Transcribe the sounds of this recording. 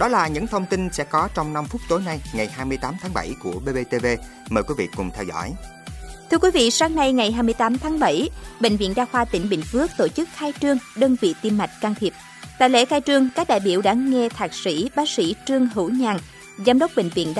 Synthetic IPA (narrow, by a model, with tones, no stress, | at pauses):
ɗɔ˨˦laː˨˩ɲɨ̰˧˥ŋt̪ʰə˧wŋ͡mt̪i˧nsɛ̰˧˥kɔ˨˦t͡ɕɔ˧wŋ͡mna˧mfʊ˦˥k͡p̚t̪o˨˦jna˧jŋa˨˩jhaː˧jmɨ˧əjt̪aː˨˦mt̪ʰaː˨˦ŋɓa˧˩jku˧˩əɓe˧ɓe˧t̪e˧ve˧ | məː˨˩jkwi˨˦vḭ˧˨kʊ˨˩ŋ͡mt̪ʰɛ˧wzɔ̰˧˥˨j | t̪ʰɨ˧əkwi˨˦vḭ˧˨saː˨˦ŋna˧jŋa˨˩jɦaː˧jmɨ˧əjt̪aː˨˦mt̪ʰaː˨˦ŋɓə˧˩jɓḛ˧˨ŋ̟vḭ˧˨ənɗaː˧xwaː˧t̪ï˧˩ŋ̟ɓḭ˧˨ŋ̟fɨ˦˥ək̚t̪o˧˩t͡ɕɨ˦˥k̚xaː˧jt͡ɕɨ˧əŋɗəː˧nvḭ˧˨t̪i˧mːa˨˩jk̟̚ka˧ŋt̪ʰi˨˩əp̚ | t̪a̰ː˧˨jlḛ˧˥xaː˧jt͡ɕɨ˧əŋkaː˦˥k̚ɗaː˧˨jɓi˧˩˨əwɗa̰ː˧˥ŋɛ˧t̪ʰaː˨˩k̚sḭ˧˥ɓaː˨˦˥k̚sḭ˧˥t͡ɕɨ˧əŋɦɨ̰˧˥wɲaː˨˩n | zaː˧mɗə˦˥wk͡p̚ɓḛ˧˨ŋ̟vḭ˧˨ənɗ